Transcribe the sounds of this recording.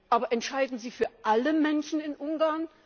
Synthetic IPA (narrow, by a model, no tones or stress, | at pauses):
ʔaːbɐʔɛntʃaɪdn̩ziːfyːɐʔaləmɛnʃn̩ɪnʔʊŋɡaɐn